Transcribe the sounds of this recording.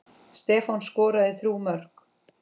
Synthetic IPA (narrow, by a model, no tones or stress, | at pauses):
st̪ɛːfɔnskɔːɾaðɪθɾuːmœr̥k